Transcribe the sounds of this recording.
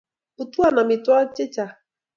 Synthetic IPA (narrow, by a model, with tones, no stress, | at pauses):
u˨tu˦a˦˨na˨mɪ˨twɔ˦t͡ʃɪ˦t͡ʃa˨